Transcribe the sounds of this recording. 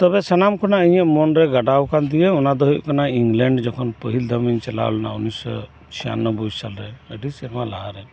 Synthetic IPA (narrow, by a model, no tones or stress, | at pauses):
t̪ɔbesənamkɔnaəj̃ɛ̃ʔmɔnɾɛɡəɖawkʰand̪iɛunad̪ɔɦuiʔkənaiŋɡlɛɳɖd͡ʒɔkʰɔnpəɦild̪ʱəməɲt͡ʃəla̰wlnaunisɔ̰ | t͡ʃʰija̰nːɔbʱud͡ʒʱt͡ʃalɾɛəɖisiɾmalaɦaɾɛ